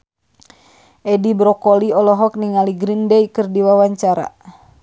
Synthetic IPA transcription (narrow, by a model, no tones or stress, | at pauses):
ʔɛdibɾɔkɔliɔlɔɦɔk̚niŋaliɡɾindɛikɨrdiwawaɲt͡ʃaɾa̰